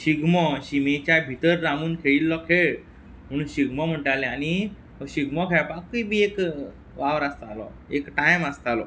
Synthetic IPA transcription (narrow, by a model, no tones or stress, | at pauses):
ɕiɡmɔɕimet͡ɕabʱit̪əɾːamuːnkʰeɭilːɔkʰeɭ | m̤əɽ̃uːnɕiɡmɔm̤əʈalẽani | ɔɕiɡmɔkʰapakiibʱiek | ʋaʋɾast̪alɔ̰ekʈajmast̪alɔ̰